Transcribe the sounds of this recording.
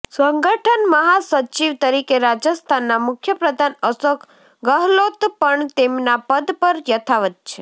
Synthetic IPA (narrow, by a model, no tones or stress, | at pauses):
səŋɡəʈʰənməɦasət͡ʃiʋt̪əɾikeɾad͡ʒəst̪ʰanːamʊkʰjəpɾəd̪ʱanəsəkʰ | ɡəɦlot̪pəɳt̪emnapəd̪pəɾjət̪ʰaʋət̪̚t͡ʃʰe